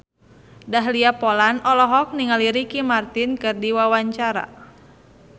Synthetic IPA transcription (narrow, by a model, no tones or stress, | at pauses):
daɦliapɔlanɔlɔɦɔk̚niŋaliɾikimart̪inkɨrdiwawaɲt͡ʃaɾa̰